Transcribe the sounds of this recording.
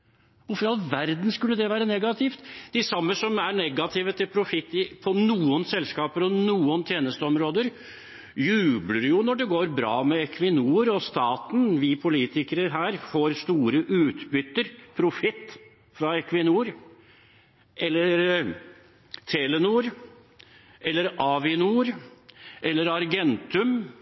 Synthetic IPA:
ʋʊɾfɔɾɑlʋæɾd̪n̩skʉlːəd̪ɛʋæːɾənɛɡɑt̪ʰɪft̪d̪̥ɛsɑmːəsɔmæɳɛɡɑt̪ʰɪːʋət̪ʰɪlpʰɾʊfɪt̪ːɪpʰɔnuːənsɛlːskɑːpəɾɔnuːənt̪ʰjeːnəst̪əɔmɾoːd̪əɾ | jʉːbləɾjʊnɔɖɛɡoːɾbɾɑ̰ːmɛɛkʰʋɪnuːɾɔst̪ɑːt̪n̩ʋɪpʰʊliːt̪ʰɪkəɾəɦæːɾfoːɾst̪uːɾəʔʉːt̪bʏt̪ːəɾpʰɾʊfɪt̪ː | fɾɑɛkʋɪnuːɾ | ʔɛlːəɾ | t̪ʰeːlɛnuːɾ | ɛlːəɾɑʋɪnuːɾ | ʔɛlːəɾɑɾɡɛnt̪ʉm

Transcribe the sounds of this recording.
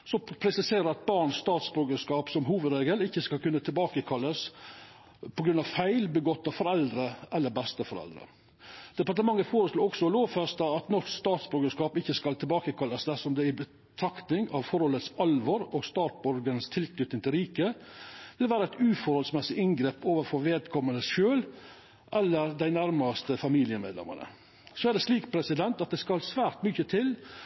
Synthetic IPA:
sɔpʰɾɛsɪseːɾəɾɑt̪̚bɑɳsst̪ɑːt̪sbøːɡəʂkɑːpsɔmɦuːʋəd̪ɾeːɡəlɪçːəskɑlkʰʉnːət̪ʰɪlbɑːkəkʰɑlːəs | pʰɔɡɾʉnɑʋfæɪlbəɡɔt̪ːɑfɔɾɛld̪ɾəʔɛlːəɾbɛst̪əfɔɾɛ̰ld̪ɾə̰ | d̪̥ɛpɑɾʈəmɑŋːəfoːɾəsloːɔksɔɔloːʋfɛst̪ɑɑt̪nɔst̪ɑːt̪sbøɾɡəʂkɑːpɪçːəskɑlt̪ʰɪlbɑːkəkʰɑlːəsd̪æʂɔmd̪ɛɪbə | t̪ʰɾɑkt̪nɪŋɑʋfɔɾhɔlːət̪sɑlʋɔɾɔɡst̪ɑːt̪̚bɔɾɡənst̪ʰɪlknʏt̪ɪŋt̪ɪlɾiːkəʋɪlʋæːɾəæɪt̪ʉːfɔɾhɔlsmɛsɪʔɪnɡɾeːpoːʋəfɔɾʋeːd̪kʰɔmənəsʃøːl | ʔɛlːəɾd̪æɪnæɾmɑst̪əfɑmiːlɪəmḛːd̪lɛ̰mə̰ɳə̰ | soːæɖɛsliːkpʰɾɛsɪd̪ɛnt̪ɑt̪̚d̪ɛskɑlsʋæːɾʈ̪mʏçət̪ʰɪl

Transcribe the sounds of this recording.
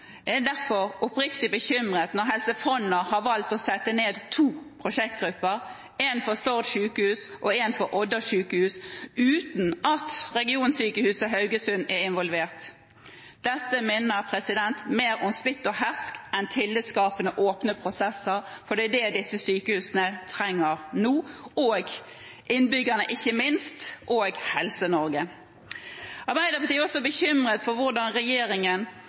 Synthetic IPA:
ɛd̪æʁfɔʁʊpʁɪkt̪ɪbəçʏmʁeːt̪nɔʁɦɛlsəfɔnəʁhɑʋɑlt̪ɔsɛt̪ːəneːd̪t̪ʰuːpʰʁʊʃɛk̚t̪̚ɡʁʉpːəʁ | ɛnfɔst̪ɔʁt̪ʃʉːkəhʉːsʔɔɛnfɔɾʔɔd̪əʃʉːkəhʉːsʉːt̪nʔɑt̪ʁɛɡɪuːnsyːkəhʉːsəɦɑʉɡəsʉnɛɾɪnʋɔlʋeːʁt̪ | d̪̥ɛt̪ːəmeːnəɾpʰɾɛsɪd̪ɛnt̪meːɾɔmspɪt̪ːɔhæʁskɛnt̪ʰɪlːəskɑːpənəʔoːpnəpʰɾʊsɛsːəɾfɔd̪ɛːd̪ɛd̪ɪsːəsyːkəhʉːsənət̪ʰɾɛŋːəʁnuːoːɡ | ʔɪnbʏɡːənəʔɪçːəmɪnst̪ʔoːɡhɛlsənɔɾɡə | ʔɑʁbæɪd̪əpʰɑt̪iːɔsɔbəçʏmʁət̪fɔɾʋʊʁd̪ɑnʁɛjeːɾɪŋən

